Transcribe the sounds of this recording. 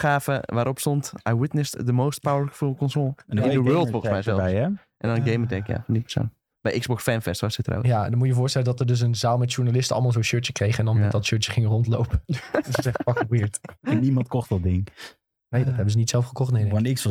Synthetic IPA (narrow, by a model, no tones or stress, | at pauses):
χaːfəʋaːɾʔɔpstɔntʔa̰jwɪtnəstdəmoːst̚pawəɹfukɔnsolˠɪ̃ndəwɜːlˠtbomɛsɛlˠ | ʔɛ̰ndɔnəɡejmətɛkja̰fɔndipə̥so̰n | b̥ɛjʔɪkɡzbɔksfɛnfɛstʋɔsɪtəro̰wjandɔnmutəjəvʊːstɛləndɔtərdøs̬ənzaːlˠmɛtʃuɹnalɪstəɔlˠmalˠzoːnʃøɹtjəkrejχəɛndɔnɛdɔtʃøtjəχɪŋərɔntlowpəsɛχəpɑkwiɹtɛnimɑntkɔχtdɔdɪŋ | nejdɔthɛbəzənitsɛlˠfχəkɔχtnennɪks